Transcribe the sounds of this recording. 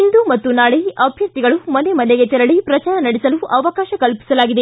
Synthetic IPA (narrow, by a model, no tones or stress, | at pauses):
ind̪umɐt̪ːunaːɭeʔɐbʱjɐɾt̪iɡɐɭumɐne̞mɐneɡet͡ʃ̪ɛɾɐɭipɾɐt͡ʃaːɾɐnɐɽisɐluʔɐʋɐkaːʃɐkɐlpi̥sɐlaːɡid̪e